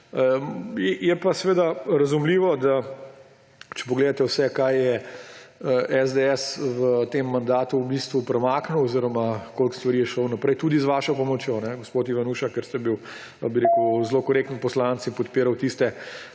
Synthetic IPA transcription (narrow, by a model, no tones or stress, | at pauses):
əjɛjɛpasʋeːd̪aɾɐzumliːʋɔd̪a | t͡ʃɛ̥pɔɡleːd̪at̪ɛwsɛkajjɛ | əʔɛzd̪eɛsʋət̪emːand̪aːt̪uːbist̪ʋupɾɛmaːknuwɔziɾɔmakolkst̪ʋɐɾiːjɛʃownɐpɾɛjt̪uːd̪izʋaʃɔpɔmɔt͡ʃjonɛɡospot̪iʋanuːʃakɛɾst̪ɛbiw | biɾekəwzlokɔɾek̚t̪nipɔslant̪sipɔt̪piːɾawt̪ist̪ɛ